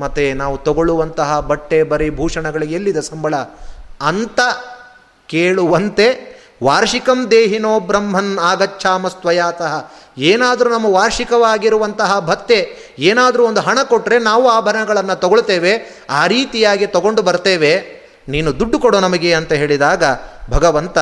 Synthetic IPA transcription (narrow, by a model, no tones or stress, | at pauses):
mɐt̪enaːʋut̪ɔɡoɭuʋɐnt̪ɐɦɐbɐʈːebɐɾebʱuːʂɐɳɐɡɐɭiɡelːid̪ɐsɐmbʱɐɭɐː | nt̪ɐ | keːɭuʋɐnt̪e | ʋaːɾʂikɐmd̪eːɦinoːbɾɐmɦɐnaːɡɐt͡ʃːʃʰaːmɐst̪ʋɐjaːt̪ɐɦɐeːnaːd̪ɐɾunɐmːɐʋaːɾʂikɐʋaːɡiɾuʋɐnt̪ɐɦɐbʱɐt̪ːe̞ | eːnaːd̪ɐɾuond̪uɦɐɳɐkoʈːɾe̞naːʋuaːbʱɐɾɐnɐɡɐɭɐnːut̪ɐɡoɭt̪eːʋe | aːɾiːt̪ijaːɡit̪ɐɡo̞ɳɖubɐɾt̪eːʋe | niːnud̪uɖːukoɽoːnɐmɐɡe̞ɐnt̪ɐɦe̞ːɭid̪aːɡɐbʱɐɡɐʋɐnt̪ɐ